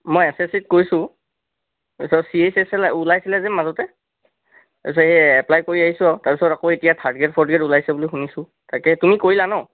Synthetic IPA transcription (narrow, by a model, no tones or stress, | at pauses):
mɔjɛsɛsit̚koɹjsʊ̃ | apisɔsiesɛsɛlulajsilɛzɛmazɔtɛ | taɹpis̬ɔɹɛɛplajkoɹiaɦisʊ̃awtaɹpisɔɹakoetijatʰadɡɛtpʰɔɹdɡɛtulajsɛbʊlixunisʊ | takɛtumikoɹilanɔʊ